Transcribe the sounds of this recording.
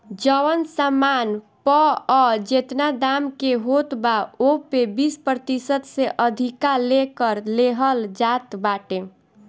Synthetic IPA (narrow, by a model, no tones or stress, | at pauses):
d͡ʒəwənsaman | pəɔd͡ʒet̪nad̪amkeɦot̪baopebispɾət̪isət̪seʔəd̪ʱikalekəɾleɦəld͡ʒat̪baʈe